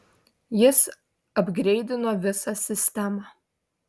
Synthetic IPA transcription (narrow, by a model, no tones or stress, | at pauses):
jɪs | ɐbʲɡɾʲɛɪd̪ʲɪnoːʋʲɪsɑsʲɪsʲt̪ʲæmɑ